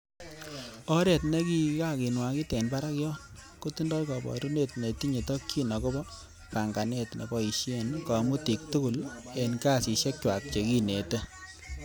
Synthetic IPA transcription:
ɔ˦ɾe˨tne˦ki˦ka˦ki˨nwa˨ki˦tɛ˨nba˦ɾa˦kjɔ˦ko˦ti˦ndɔ˦lkɔ˨bɔ̰˨ɾu˦ne˦tne˨ti˦ɲe˨tɔ˦kt͡ʃi˦nɔ˨ko˦bɔ˦ | pa˨ŋɡa˨ne˦tnḛ˨bɔ˦i˨ʃe˦˨nka˨mu˦ti˨k̚tu˦ku˨le˨nka˦˨si˨ʃe˦k̚t͡ʃwa˨k̚t͡ʃe˨ki˦ne˨te˦

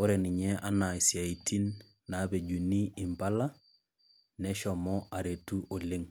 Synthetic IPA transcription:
o˦ɾɛ˨ni˨ɲɛ˦ʔa˦na˨ɪ˨sja˨i˨tʰi˦nː | a˨˦be˨d͡ʒu˨ni˦i˨mba˦la˦ | nɛ˦ʃɔ˨mɔ˦a˨ɾe˨tu˦ʔo˨le˦ŋ

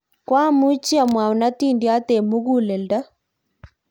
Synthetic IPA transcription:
kwa˦mu˦t͡ʃi˦a˨mwa˨u˨na˦t̪i˦ndi˦a˦t̪ɛ˨mu˦ɣu˦lɛ˨lda˦

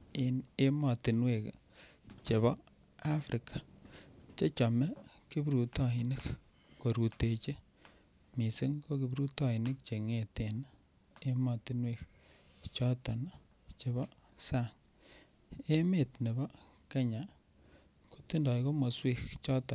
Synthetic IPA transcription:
i˨ne˦mɔ˨ti˨nwe˨k | t͡ʃe˨βɔ˦ | a˦fɾʔi˨kḁ˨t͡ʃe˦t͡ʃɔ˨mɛ˦ki˦buɾu˨tɔ˦i˨ne˦k | ko˨ɾu˨te˨t͡ʃe˦ | mi˨se˦ŋko˦ki˨bu˦ɾu˦tɔ˦i˨ne˦k̚t͡ʃe˨ŋe˨te˨na˦ | e˦mɔ˨ti˦nwe˦k | t͡ʃɔ˦tɔ˨na | t͡ʃe˨βɔ˦ | sa˦˨ŋ | e˦me˦˨tne˨bɔ˦ | ke˦ɲa˨ | ku̥˦ti˦ndɔ˨iko˦mo˨swe˦kt͡ʃɔ˦tɔ˨

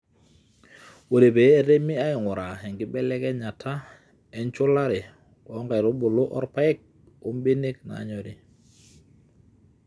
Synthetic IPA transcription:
wo˨ɾe˨beː˨˦ɾe˦mi˦a˦ɪ˨ŋʊ˨ɾa˨ɦɛ˨ŋɡɪ˦bɛ˦lɛ˦kɛ˦ɲa˨tʰa˦ | ɛ˨˦ɲt͡ʃʊ˦la˦ɾɪ˨ | ɔ˨˦ŋɡa˨ɪ˨ɾo˦bʊ˨lo˦ʔɔ̰˦ɾpa˦ɪ˦k̚ | o˦mbe˦ne˦kna̰˨˦ɲɔ˨ɾi˨

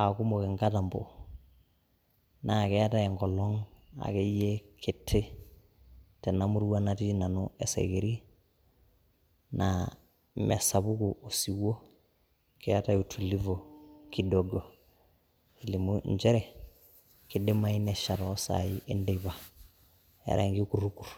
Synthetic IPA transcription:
a˨ku˦mo˨ke˨ŋɡa˦ta˨mbo̰˨ | na˨kɛ˦a˦ta˦˨e˨ŋɡɔ˨lɔ˦ŋa̰˨ke˦je˦kʰe˨tʰːe˦ | tɛ˨na˦mu˦ɾu˦wa˦nati˦na˨nue˨sḛ˨ɡe˨ɾi˦ | na | mḛ˨sa˨bu˦ku˨o˨si˨wo˦ | kea˦ta˦u˨tʰu˨li˦vo˨ki˦do˨ɡo˨ | i˨li˨mu˦ɲd͡ʒe˦ɾe˨ | ki˨de˦ma˦i˦ne˨ʃa˨ɾosa̰˨ji˦ʔe˦nde˨βa˨ | ḛ˨ɾʔa̰ŋɡi˦ku˨ɾuku˨ɾ

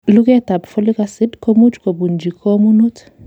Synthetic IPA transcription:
lu˦kɛ˦ta˨bfo˦li˦ka˦si˦dkʰo˦mu˦t͡ʃko˨bu˨nd͡ʒʱi˨kʰo˦mu˦nu˦tʰ

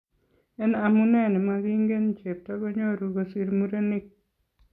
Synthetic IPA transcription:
ɛ˦na˨mu˦nɛ˦˨nɪ˨ma˦ɡi˦ŋɡe˦n˨t͡ʃe˨p̚tɔ˦ɡo˦ɲo˦˨ɾu˨ɡo˨si˦ɾmu˦ɾe˦ni˦k̚

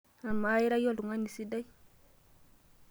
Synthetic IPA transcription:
a˨ma˨˦i˦ɾa˦jo˦lu˨ŋa˦ni˨si˦da˦j

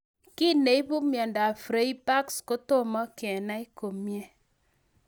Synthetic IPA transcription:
ki˦ne˨i˦pu˦mjɔ˨nda˨fɾe˦i˦pa˦ksko˦to˦mɔ˦kɛ˨na˦i˦ko˨mje˦

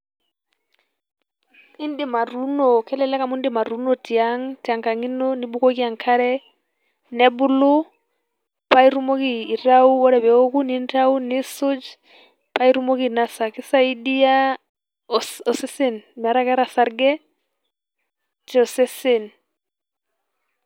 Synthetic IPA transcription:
i˦ndɪ˦˨ma˨ɾu˦nɔ˨kɛ˦lɛ˦lɛ˦ka˦mu˦ndɪ˦ma˨ɾu˦nɔ˦ti˨aŋti˨a˨ŋka˨ŋi˦nɔ˦ni˦ɓu˦kɔ˦ki˦a˨ŋkʰa˦ɾɛ˦ | nɛ˦bʊ˦lo˦ | pa˦i˦ɾu˦mo˦kiː˦˨ɾa˦u˦wɔ˦ɾɛ˨bɛ˨ɔ˦ku˦ni˦nta˦u˦ni˦sʊ˦d͡ʒ | pa˦i˦ɾu˦mo˦ki˦˨na˦sa˨kɪ˦sa˦i˦ɗi˦a˦ | ɔ˨sɛ˦se˦nm˨a˨ɾa˦kɛ˦ɾa˨sa˨˦ɾɡɛ˦ | tɛ˨ɔ˨sɛ˦sɪ˦˨n

